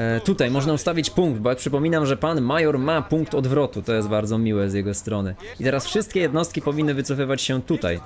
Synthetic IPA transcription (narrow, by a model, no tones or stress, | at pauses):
t̪ut̪ajmɔʐnaust̪avʲit͡ɕpuŋɡd̪̚bɔjakpʂɘpɔmʲinamʐɛpanmajɔɾmapuŋkt̪ɔd̪vɾɔt̪ut̪ɔjɛst̪baɾd̪zɔmʲiwɛzjɛɡɔst̪ɾɔnɘ | it̪ɛɾasfʂɘst̪̚kʲɛjɛd̪nɔst̪kʲipɔvʲinːɘvɘt̪sɔfɘvat͡ɕɕɛt̪ut̪a̰j